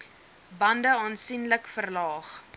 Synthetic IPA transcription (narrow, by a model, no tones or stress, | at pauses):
bɐndəɑːnsinləkfərlɑːχ